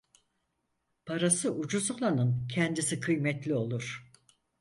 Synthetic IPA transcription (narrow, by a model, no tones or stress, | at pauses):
pʰaɾasɯʔud͡ʒuzolˠanɯncʰɛnd̪isikʰɯjmɛt̪lʲio̞lˠuɾ̥